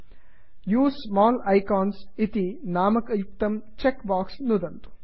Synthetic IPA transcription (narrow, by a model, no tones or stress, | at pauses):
juːssmaːlɐjkaːnsit̪inaːmɐkɐjuk̚t̪ɐmt͡ʃekbaːksnud̪ɐnt̪u̥